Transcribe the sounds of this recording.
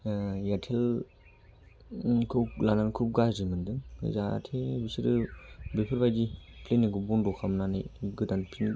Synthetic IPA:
jatʰel | kʰɯlanankʰup̚ɡaɾimɯndɯŋ̰za̰tʰebisiɾɯbepʰɯɾbajdipʰleneɡɯbɔndɔkʰamnanajɡɯdanpʰin

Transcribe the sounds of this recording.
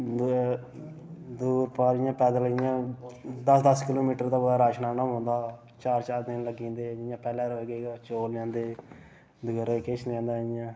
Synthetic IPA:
d̪uːɾpaːɾɪjãːpɛːd̪aːləɡɪjãːd̪əsd̪əskɪloːmiːʈəɾd̪aːbodaːɾaːʃnaːnəmɦõːnd̪aː | t͡ʃaːɾt͡ʃaːɾd̪ɪnləɡĩːnd̪eːd͡ʒɪjãːpɛːlɛ̃ːɾoɡeːɡaːt͡ʃoːlãːnd̪eː | d̪ʊɡəɾeket͡ʃʰñːnd̪aːɪjãː

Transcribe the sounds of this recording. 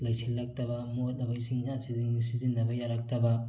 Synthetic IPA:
lajsilːɐk̚tɐbɐmot̚nɐbajsiŋzasidiŋsizinːɐbɐjaɾak̚tɐbɐ

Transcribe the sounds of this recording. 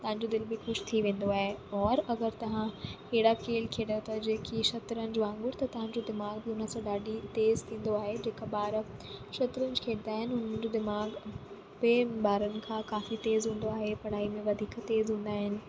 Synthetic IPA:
t̪ɐʋ̤ãɲd͡ʑod̪ɪlbɪxʊʃt̪ʰiʋẽːn̆d̪oaːɦeɔːɾɐɡəɾt̪ɐʋ̤ãkeːɪɽakʰeːlkʰeːɽot̪ʰɐd͡ʑeːkʰiʃɐt̪ɾənɪ̆d͡ʑoãːŋɡʊɽt̪ɐt̪ɐʋ̤ãɲ̆d͡ʑod̪ɪmaːɡbɪʊnəsãɗaːɗit̪eːzt̪ʰĩːn̆d̪oaːɦed͡ʑeːkaɓaːɾəʃɐt̪ɾənɪd͡ʑkʰẽːnd̪aːɦɪnɪɦʊn̤ənd͡ʑod̪ɪmaːɡ | bɪɓaːɾənɪ̆kʰãːkaːfit̪eːzɦũːn̆d̪oaːɦepɐɽ̤aːimẽʋɐd̪ʱiːkt̪eːzɦũːn̆d̪aːɦɪnɪ̆

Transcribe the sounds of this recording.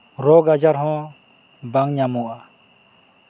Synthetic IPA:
ɾɔɡad͡ʒaɾɦɔ̃ | baŋɲamɔʔa

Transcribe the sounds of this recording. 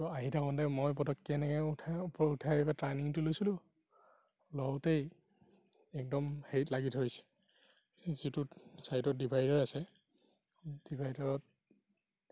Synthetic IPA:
tɔaɦitʰakɔndɛmojpɔtɔkːiɛnɛkɛupɔutʰajɛbatɹajniŋtulojsilʊ̃ | lɔwtej | ɛk̚dɔmhejtlaɡitɦojsɛ̥ | zitusajtɔt̚dibʱajdɔɹasɛ | d̥ibʱajdɔɹɔt̚

